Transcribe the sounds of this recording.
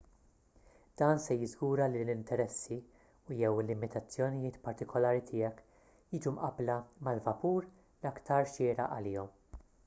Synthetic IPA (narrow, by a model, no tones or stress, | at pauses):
d̪̥ɐːnsɛjɪzɡuːɾɐlilɪnt̪ɛɾɛsːi | ujɛwɪlːɪmɪt̪ɐt͡sːjɔnɪjɪːt̪pɐɾt̪ɪkʰɔlɐːɾit̪ʰɪːɛk | jiːd͡ʒumʔɐblɐmɐlvɐpuːɾ | lɐkt̪ɐɾʃɪːɾɐ̰ʔɐlɪːɔm